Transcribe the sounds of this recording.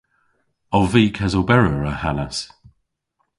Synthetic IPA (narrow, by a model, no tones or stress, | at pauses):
ɔlviːkʰazobɛɹəɹəhanəs